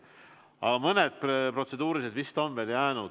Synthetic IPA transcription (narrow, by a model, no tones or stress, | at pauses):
ɑmɤned̪̥̚ppro̞t̪se̞d̪uːɾise̞d̪vist̪o̞nveːljæːnu̥